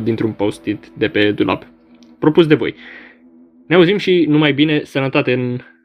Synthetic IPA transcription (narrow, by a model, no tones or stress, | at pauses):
d̪int̪ɾumpaust̪it̪d̪e̞pe̞d̪ulʔa̰p | pɾo̞pus̬d̪e̞vo̞̰j | neauzimʃinumajbine̞sənət̪at̪e̞ɨn